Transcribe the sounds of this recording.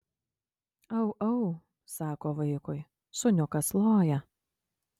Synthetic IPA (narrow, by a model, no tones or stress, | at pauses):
ɐʊʔɐʊ | sɑːkoːʋɐɪkʊj | sʊnʲʊkɐslˠoːjɛ